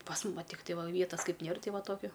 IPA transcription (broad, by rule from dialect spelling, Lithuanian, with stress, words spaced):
pɐs mʊm ʋɐ ˈtʲɪktɐɪ ˈʋʲiɛtɐs ˈkɐɪp ˈnʲiɛr ˈtɐɪ ˈʋɐ ˈtoːkʲʊ